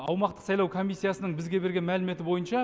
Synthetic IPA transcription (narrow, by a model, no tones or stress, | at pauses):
ɑwmɑqt̪əqsɑjlˠɑwkʰo̞mʲijsːijasənəɴbɪzɡʲe̞be̞ɾɡʲe̞nmælɪme̞t̪ɪbo̞jənʃɑ